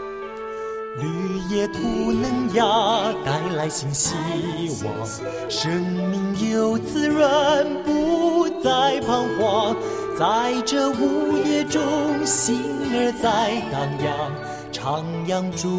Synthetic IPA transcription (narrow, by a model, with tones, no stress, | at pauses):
ly˧˩jɛ˧˩t̪ʰu˧˩nə˧˥ŋjɑ˧t̪a˧˥ɪla˧˥ɪɕi˧˥ŋɕi˧wɑ̰˨˩ŋ | ʂə˧˥ŋmi˧ŋjo˧˥˩ʊt͡sɹ̩˥˧ɻə˧npu˧˥t͡sa˥˧ɪpʰɑ˥ŋxwɑ˧ŋ | t͡sa˥˧ɪʈ͡ʂɤ˥˧u˧jɛ˥ʈ͡ʂʊ˥ŋɕi˧˥ŋə˧˥t͡sa˥˧ɪt̪ɑ˨˩ŋjɑ˧ŋ | ʈ͡ʂʰɑ˧˥ŋjɑ˧ŋʈ͡ʂu˧˥